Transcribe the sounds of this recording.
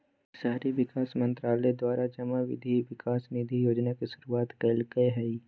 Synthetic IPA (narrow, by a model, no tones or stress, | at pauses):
saːɾiʋɪkaːsmə̃nt̪ɾaːled̪waːɾʔad͡ʒɐmaʋɪ̰d̪ʱiʋɪkaːsnɪd̪ʱijoːd͡ʒnakiʃʊɾuaːt̪kəlkəeɦɛi